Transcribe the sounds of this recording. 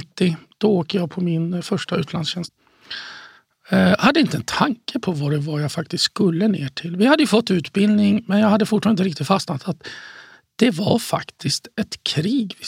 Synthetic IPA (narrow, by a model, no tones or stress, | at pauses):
t̪ːɪd̪̥ɔoːkəjaːɡpʰɔmɪnfœʂʈaʉ̟ːt̪ʰlansɕɛnst̪ | had̪ːəɪnt̪əɛnt̪ʰaŋkəpʰɔvaɾvajafak̚t̪ɪst̪skɵlːəneːʈʰɪlvɪhad̪ːəjɵfɔt̪ːʉ̟ːt̪bɪld̪nɪŋmɛnjahad̪ːəfʊʈfɑnɪɾɪk̚t̪ɪt̪fastnat̪ʰat̪ | d̪̥ɛva̰ɾfa̰kt̪ʰɪst̪ɛt̪kʰɾiːɡvɪ